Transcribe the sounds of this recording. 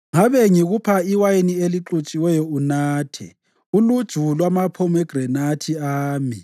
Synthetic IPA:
ŋaβɛŋiɣupʰaiwajenieliǁut͡ʃʼiwɛjɔunaːtʰɛ̰ | ulud̥ʒ̥ʱulwamapʰɔmɛɡ̥rɛnatʰiaːmi

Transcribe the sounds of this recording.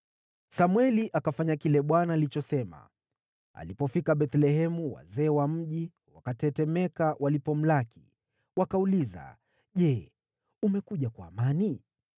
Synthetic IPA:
samwɛliʔakafaɲakilɛɓwanaːlit͡ʃɔsɛma̰ | a̰lipɔfikaɓɛt̪lɛɦɛmuwa̰zɛːwam̩ʄi | wa̰katɛtɛmɛkawʔalipɔm̩laki̥ | wakauliza̰ | ʄɛ | umɛkuʄakwaːmani

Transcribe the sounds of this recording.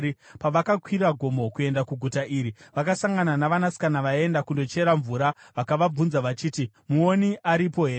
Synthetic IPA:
paʋakakwiɾaɡʱo̞mo̞kue̞ndakuɡʱutaʔiːɾiʋakasaŋɡananaʋanasi̥kanaʋae̞ndakundo̞t͡ʃe̞ɾaɱvuːɾa | ʋakaʋab͡vunzaʋat͡ʃiːti | muo̞niʔaɾipo̞ɦeː

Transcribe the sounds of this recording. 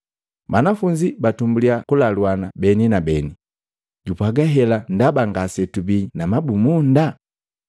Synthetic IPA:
banafuɲd͡ʒibatumbuliakulalwanabɛninabɛni | ɟupwaɡaɦɛlandabaŋɡasɛtubinamabumunda

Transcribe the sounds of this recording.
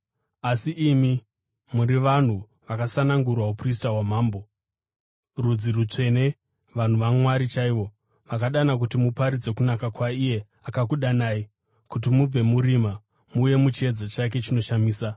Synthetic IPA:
asiʔimi | muɾiʋan̤u | ʋakasanaŋɡurwaupris̬tawamaːmbo̞ | rud͡zirut͡ʂe̞ne̞ | ʋan̤uʋamwaɾit͡ʃaiʋo̞ | ʋakaɗanak̬utimupaɾid͡ze̞kunakakwaije̞ | akakuɗanaːi | kut̬imub͡ve̞muɾima | muːje̞mut͡ʃie̞d͡zat͡ʃak̬e̞t͡ʃino̞ʃamiːsa

